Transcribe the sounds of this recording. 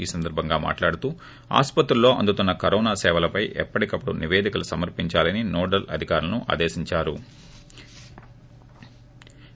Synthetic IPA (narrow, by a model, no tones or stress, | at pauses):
iːsɐnd̪ɐɾbʱɐŋɡaːma̰ːʈlaːɽut̪uː | a̰ːspɐt̪ɾulːo̞ːʔɐ̰nd̪ut̪unːɐkɐɾɔːnaːsɛːʋɐlɐpɐjʔɛ̰pːɐʈikɐpːɽṵniʋeːd̪ʱikɐlusɐmɐɾpiɲt͡ʃaːlɐninɔːɖɐlɐ̰d̪ʱikaːɾulɐnuʔa̰ːd̪eːsiɲt͡ʃaːɾu